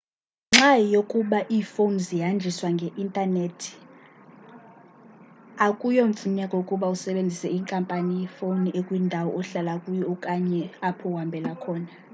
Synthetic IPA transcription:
ŋ͡ǁajokʼuɓaʔiːfonzijand͡ʒʱiswaŋɡʱɛʔintʼanetʰi̥ | akʼujom̩fʰum̩ɲakʼɔukʼuɓausɛɓend͡zʱisɛiːŋkʼampʼanijɛfoniekʼwindʱawɔɔɬalakʼujɔukʼaɲɛapʰɔwambʱɛlakʰɔːna

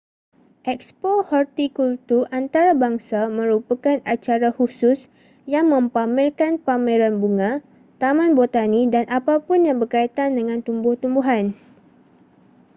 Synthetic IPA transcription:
ʔɛk̚spohɔrt̪ikult̪urʔant̪aɾabaŋsamə̃ɾupakanat͡ʃaɾahusʊs | jaŋmə̃mpamɛrkanpamɛ̃ɾanbuŋã | t̪amãnbot̪anidanʔapapʊnjaŋbərkait̪andəŋãnt̪umbʊht̪umbuɦan

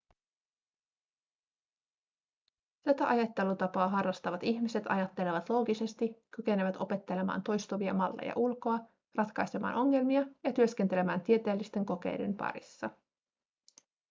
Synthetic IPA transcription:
t̪æt̪æʔɑjɑt̪ːe̞lut̪ɑpɑːɦɑrːɑst̪ɑʋɑt̪içmise̞t̪ɑ̰jɑt̪ːe̞le̞ʋɑt̪lo̞ːɡise̞st̪ikːyke̞neʋæt̪o̞pe̞t̪ːe̞le̞mɑ̰ːnt̪o̞jst̪uʋiɑmɑlːḛjɑ̰ʔulko̞ɑ | rɑt̪kɑjse̞mɑ̰ːnʔo̞ŋːe̞lmiɑjɑt̪yø̞sk̟ent̪e̞le̞mæːnt̪ie̞t̪eːlːist̪e̞ŋko̞k̟e̞̰jde̞̰mpɑ̰ɾḭsːɑ

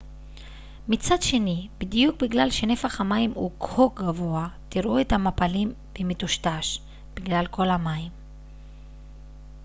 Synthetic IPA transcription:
mit͡sad̪ʃe̞nibidjuk̚biɡlalʃe̞ne̞faχhamaimukʰok̚ɡavo̞at̪iɾʔue̞tamapalim | b̥emetuʃtaʃ | b̥iɡlalko̞lhamaim

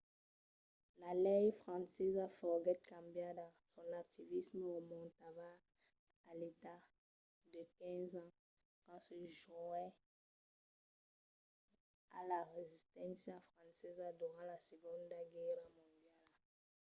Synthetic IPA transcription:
lalɛjfχɑ̃nsɛzafɔɡɛt̪̚kãbjad̪ã | sɔ̃nak̚t̪ivisməomɔ̃t̪avaː | let̪a | d̪əkɛ̃zɑ̃ | kɑ̃səʒuɛ | alaʁezist̪ɑ̃sjafχɑ̃sɛzad̪yʁɑ̃lasəɡɔ̃nd̪ɡɛʁmɔ̃nd̪jal

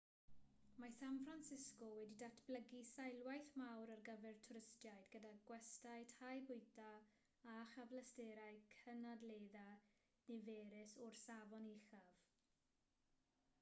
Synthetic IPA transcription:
masanfransɪskɔwɛdidatʰb̥ləɡisajlˠwajθmawɾarɡəvɛrtʰʊɾɪstjajdɡədaɡwɛstaɨtʰajbʊɨda | aχavlastɛːɾajkʰənadleːða | niveːɾɪsɔrsavɔniχav̥

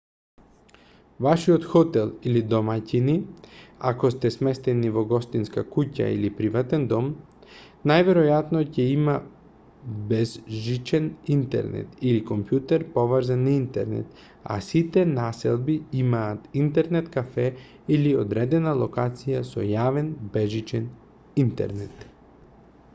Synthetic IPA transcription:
vaʃiot̪xɔt̪ɛlˠilid̪ɔmacinia̰kɔst̪ɛsmɛst̪ɛnivɔɡɔst̪inskakuca̰ḭlipɾivat̪ɛnd̪ɔm | najvɛɾɔjat̪nɔcɛima | bɛzʒit͡ʃɛnint̪ɛ̰ɾnɛ̰t̪ilikompjut̪ɛɾpɔvəɾzanːaint̪ɛ̰ɾnɛ̰t̪ | a̰sit̪ɛnasɛ̰lˠbiimaːt̪int̪ɛɾnɛt̪kafɛ | ilio̰d̪ɾɛd̪ɛnalˠokat̪sijasɔ̰javɛnbɛʒit͡ʃɛn | int̪ɛ̰ɾnɛt̪

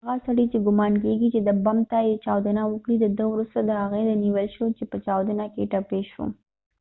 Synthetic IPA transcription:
aɣasaɽit͡ʃeɡʊmɑnk̬eɡit͡ʃed̪əbamt̪ajet͡ʃɑwd̪ənawəkɽid̪əd̪əwɾust̪ad̪əhaɣed̪əniwəlʃot͡ʃepət͡ʃɑwd̪ənakeʈapeʃo̰

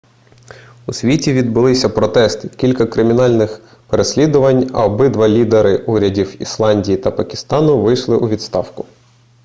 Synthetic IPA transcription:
usʲʋʲitʲiʋʲid̪̚bʊlˠɪsʲɐpɾɔt̪ɛst̪ɪkʲilʲkɐkɾɪmʲinɑlʲnɪx | peɾesʲlʲid̪ʊʋɐnʲɐ̰ɔbɪd̪ʋɐlʲid̪eɾɪuɾʲɐdʲiwḭslˠɑnʲdʲijit̪ɐpɐkʲɪ̥st̪ɑnʊʋɪjʃlˠɪʔuʋʲid̪st̪ɑwkʊ̥

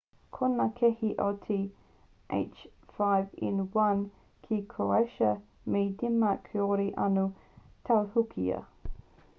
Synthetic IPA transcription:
kʰonakʰɛhiʔotʰi | ʔḛɪt͡ʃ | fajvɪ̰nwɐn | kʰikʰoaʃə | medimɐkʰeoɾiʔɐnu | tʰawhukʰḭə̰

